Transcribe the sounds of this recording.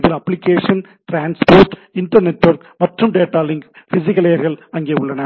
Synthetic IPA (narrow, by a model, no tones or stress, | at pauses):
ðɪlɐpːlɪkːeːʂɐn | ʈɾaːnspoːɾʈɪnʈɐɾnɛʈːʋɐɾkmɐʈrɯmɖeːʈːaːlɪŋɡ | fɪs̬ɪkːɐleːɐɾɣɐɭɐŋɡeːʊɭːɐnɐ